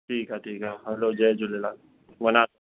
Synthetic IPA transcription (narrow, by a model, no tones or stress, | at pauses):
ʈʰiːkɦaʈʰiːkɦaɦɐlod͡ʒɛːd͡ʒʊlelaː | ʋɐnaː